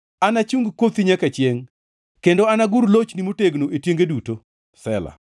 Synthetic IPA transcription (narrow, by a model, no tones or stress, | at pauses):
anat͡ʃuŋɡkwot̪iɲakat͡ʃjeŋ | kendoanaɡuɾlot͡ʃnimoteɡnoetjeŋɡeduto | sɛla̰